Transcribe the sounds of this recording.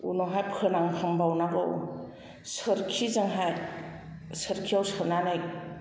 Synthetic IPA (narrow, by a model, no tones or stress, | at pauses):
ṵnɔɦajpʰɯnaŋpʰambawnaɡɯw | sɯɾkʰizaŋɦaj | sɯɾkʰiawsɯɾnanaj